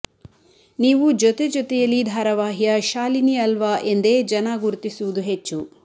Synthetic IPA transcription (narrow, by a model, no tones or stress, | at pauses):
niːʋud͡ʒɔt̪ed͡ʒɔt̪ɛjɐlːid̪ʱaːɾɐʋaːɦijɐʃaːlinijɐlʋaʔe̞nd̪e̞ːd͡ʒɐnaɡuɾt̪isuʋud̪uɦet͡ʃːu